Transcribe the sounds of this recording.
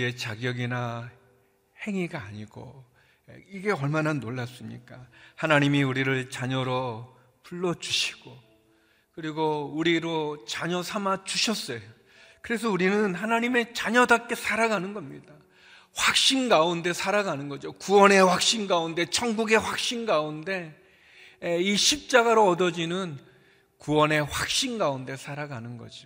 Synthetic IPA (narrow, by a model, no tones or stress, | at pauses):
e̞t͡ɕaɡjʌɡina | he̞ŋiɡaːɲiɡ̥o̰ | iɡe̞ʌɭmananoɭːas͈ɯmɲḭk͈ahanaɲimiuɾiɾɯɭt͡ɕaɲʌɾʌ | puɭːʌd͡ʑuɕʰi̥ɡ̥o | kɯɾiɡouɾiɾot͡ɕaɲʌsʰamat͡ɕuɕʰʌs͈ʌjo | kɯɾe̞s̬ʰʌuɾinɯnɦanaɲime̞t͡ɕaɲʌdak͈e̞sʰaɾaɡanɯnɡʌmɲida | ɸwak̚ɕ͈inɡaunde̞sʰaɾaɡanɯnɡʌd͡ʑokuwʌne̞ɸwak̚ɕ͈inɡaunde̞t͡ɕʰʌŋɡuɡe̞ɸwak̚ɕ͈inɡaunde̞ | eiɕʰip̚t͡ɕ͈aɡaɾoʌdʌd͡ʑinɯn | kuwʌne̞ɸwak̚ɕ͈inɡaunde̞sʰaɾaɡanɯnɡʌ̰d͡ʑio